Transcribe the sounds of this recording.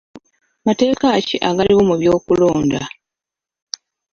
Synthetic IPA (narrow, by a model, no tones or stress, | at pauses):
mate̞ːkaciʔaɡaliwo̞muβjo̞ːkulo̞ːnda̰